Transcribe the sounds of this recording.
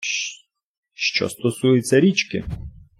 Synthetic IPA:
ʃt͡ʃɔ̰st̪ɔsujɪt͡sʲːɐɾʲit͡ʃkɪ̰

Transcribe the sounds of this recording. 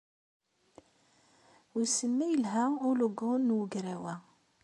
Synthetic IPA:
wisəmːæjəlɦæʊloɡʊnnːwəɡɾæwæ

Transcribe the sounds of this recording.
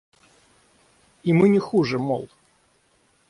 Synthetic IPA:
imɨnʲɪxuʐɨmɔ̰lˠ

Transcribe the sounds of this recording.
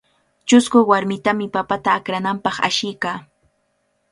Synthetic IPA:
t͡ʃʊskʊwaɾmɪt̪amɪpapat̪aːkɾanampɑχa̰ʃɪjkaː

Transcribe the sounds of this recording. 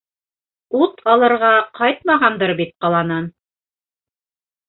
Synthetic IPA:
ut̪ʰɑlˠɤ̆ɾʁɑqʰɑjt̪̚mɑʁɑnd̪ɤɾbit̪̚qɑlˠɑnɑn

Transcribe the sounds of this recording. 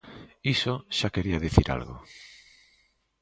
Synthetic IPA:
isoʃakeɾiɐðiθiɾa̰lɣʊ̰

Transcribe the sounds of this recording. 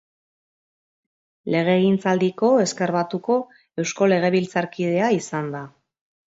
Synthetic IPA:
le̞ɣ̞e̞ɣint͡sald̪iko̞e̞ske̞ɾβat̪uko̞ | e̞wsko̞le̞ɣ̞e̞βilt͡saɾkið̞e̞aisand̪a

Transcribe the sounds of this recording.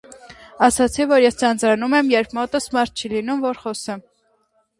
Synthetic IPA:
ɑsɑt͡sʰivɔɾjɛst͡sʰɑnd͡zɾɑnumɛmjɛɾpʰmɔt̪əsmɑɾt̪̚t͡ʃʰilinumvɔɾχɔsə

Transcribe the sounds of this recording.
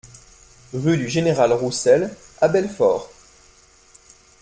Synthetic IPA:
ʁyd̪yʒeneʁalʁusɛl | abɛlfɔ̰ːʁ

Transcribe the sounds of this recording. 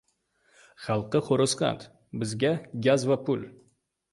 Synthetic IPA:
χɑlˠqɨχoɾɨsqɑ̰t̪ | bɪzɡʲaɡʲazvapʰʊl

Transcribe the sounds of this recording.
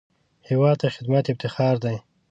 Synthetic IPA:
hɪwɑd̪̚t̪axɪd̪mat̪ɪb̚t̪ɪxɑɾd̪aj

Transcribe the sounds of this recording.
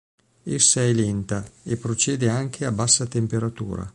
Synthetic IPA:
esːaɛlent̪aepːɾot͡ʃeːd̪eaŋk̟ʰeabasːat̪empeɾat̪ṵːɾa̰

